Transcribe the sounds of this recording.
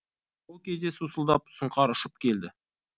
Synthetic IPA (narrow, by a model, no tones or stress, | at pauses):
wolˠkʲe̞zd̪e̞susəlˠd̪ɑp̚sʊɴqɑɾʊʃəp̚kʲe̞ld̪ɪ